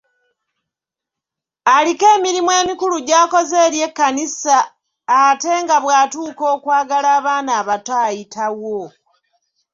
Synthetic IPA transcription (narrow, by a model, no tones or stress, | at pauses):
alike̞ːmiɾimwe̞ːmikuluɟaːko̞ze̞ːɾje̞kːanisaː | te̞ŋɡaβwaːtuːko̞ːkwaːɡalaːβaːnaːβataːjitʰawo